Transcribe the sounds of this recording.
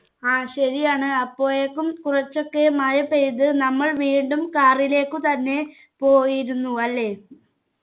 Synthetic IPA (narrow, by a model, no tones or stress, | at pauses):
aːɕɐɾijaːɳɨɐpːo̞ːjekːumkurɐt͡ɕːo̞kːemaːjɐpːeɾiðɨnɐmːɐɭʋiːɳɖumkaːrile̞ːkːɨt̪ɐnːe̞ | po̞ːjiɾunːuɐlːe̞ː